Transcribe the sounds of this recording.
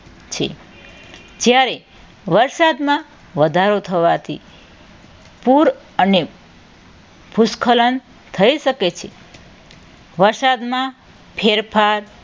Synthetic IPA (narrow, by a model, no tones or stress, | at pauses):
t͡ʃʰḛ | d͡ʒjaɾe | ʋəɾsad̪mã | ʋəd̪ʱaɾot̪ʰəʋat̪ʰḭ | puɾ | əne | bʱuskʰələn | t̪ʰəiʃəket͡ʃʰe | ʋəɾsad̪mã | pʰeɾpʰaɾ